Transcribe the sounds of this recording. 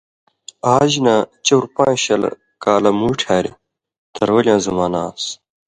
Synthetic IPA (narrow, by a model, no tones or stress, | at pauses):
aːʑinɐt͡ɕɐwɾpãːɕɐl̰ | kaːlɐmuːʈʰaːɾḭ | t̪ʰɐɾwɐlijãːzɐmaːnaːs